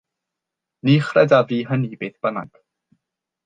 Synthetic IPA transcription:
niːχrɛdaviːɦəniːbeːθb̥əna̰ɡ̥

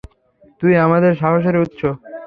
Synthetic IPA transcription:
t̪ujamad̪eɾʃaɦoʃ̬oɾiut̪ːʃʰo

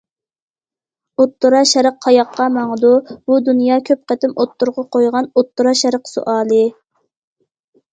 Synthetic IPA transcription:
ot̪ʰːʊɾɑʃɛɾəqʰːɑjɑqʰːɑmɑŋəd̪ubud̪unjɑːkʲʰøp̚qæt̪ɪmot̪ːuɾʁɑqʰojʁɑnot̪ːuɾɑʃɛɾəqso̰ʔɑːlˠɨ

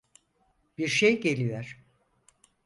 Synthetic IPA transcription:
b̥iɾʃejɟe̞lʲijoɾ̥

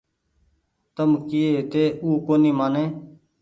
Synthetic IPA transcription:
t̪əmkɪeːt̪eːʔuːkoːniːmaːnẽː

